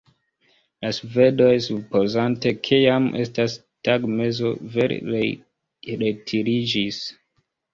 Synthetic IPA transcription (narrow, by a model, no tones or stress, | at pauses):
lasve̞do̞jsupo̞zante̞kʰijamʔe̞̰stas | taɡme̞zo̞ve̞ɾ̰ɾe | ɾetʰiɾid͡ʒis